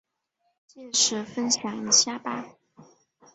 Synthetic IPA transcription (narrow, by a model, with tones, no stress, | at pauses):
t͡ɕjɛ˥˩ʂɻ̩˨˥˦fə˥nɕjɑ˨˩ŋi˨˩ɕja˥˧pa˩˦